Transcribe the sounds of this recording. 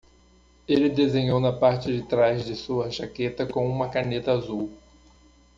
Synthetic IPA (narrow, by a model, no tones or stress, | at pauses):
elɪd̪ezẽɲownɐpaɾt͡ʃɪd͡ʒɪt̪ɾazd͡ʒɪsuɐʃaket̪ɐkõũmɐkanet̪ɐazuw